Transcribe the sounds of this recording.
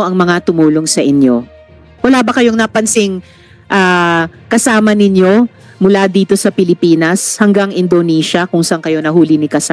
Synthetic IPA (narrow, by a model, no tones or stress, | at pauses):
ʔɐŋmɐŋat̪ʊmuːlo̞ŋsɐʔɪnjo | wɐlaːbɐkɐjo̞ŋnɐpɐnsɪŋ | ʔaːkɐsaːmɐnɪɲjo̞ | mʊlad̪iːt̪o̞sɐpɪlɪpiːnɐshɐŋɡaŋɪnd̪onɛːʃɐkʊŋsɐʔɐŋkɐjo̞nɐɦuːlɪnɪkɐsa